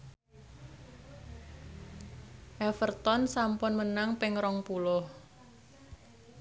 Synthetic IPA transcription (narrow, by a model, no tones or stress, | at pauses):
ʔɛfərt̪ɔnsampʊnmənaŋpɪŋɾɔŋpulʊh